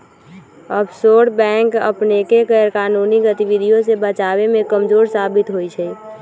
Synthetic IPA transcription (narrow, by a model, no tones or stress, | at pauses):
əbsoːʈbɛ̃ːŋkə̰pnekeɡɛɾkaːnuːniɡət̪iʋɪd̪ʱijõsebət͡ʃaːwemẽkəmd͡ʒoːɾsaːbɪt̪ɦoit͡ʃʰɛ